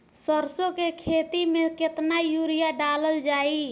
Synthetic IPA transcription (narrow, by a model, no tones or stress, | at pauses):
səɾsokekʰet̪imeket̪najuɾijaɖaləld͡ʒaːi